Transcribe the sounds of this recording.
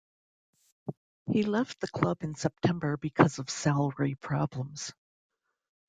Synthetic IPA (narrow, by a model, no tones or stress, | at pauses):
hilɛft̪̚ðɨkʰl̥ʌbɨ̃nsɛp̚tʰɛ̃mbə˞bɨkʰʌzʌv̥sælˠə˞ipʰɹ̥ɑblə̃mz̥